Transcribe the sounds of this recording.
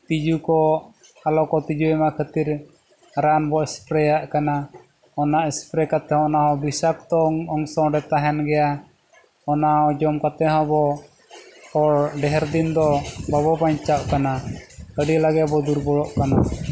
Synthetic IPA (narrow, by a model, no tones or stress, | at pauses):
t̪id͡ʒukɔ | alɔkɔt̪id͡ʒuɛmakʰət̪iɾ | ɾanbɔɛspɾɛjaʔkana | ɔnaʔɛspɾɛkat̪ɛhɔ̃ɔnaɦɔbisak̚t̪ɔŋɔŋsɔ̃ɖɛt̪aɦɛnɡɛja | ɔnaɦɔd͡ʒɔmkat̪ɛɦɔ̃bɔ | ɔɽɖɛɦɛɾd̪ind̪ɔbaβɔpaɲt͡ʃaʔkanakəɖilaɡɛʔbɔd̪uɾbɔɽɔʔkana